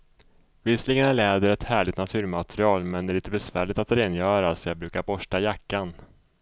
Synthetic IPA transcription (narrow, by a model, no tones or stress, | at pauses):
vɪsəlɪɡənæɭɛːd̪əɾɛt̪hæːɭɪɡt̪nat̪ʰʉ̟ːɾmat̪ɾɪɑːlmɛnd̪ɛæɛɾɪnt̪əbɛsvæːɭɪt̪at̪ɾeːnjœːɾasɔjɑːɡbɾʉ̟ːkaɾbɔʂʈajakːan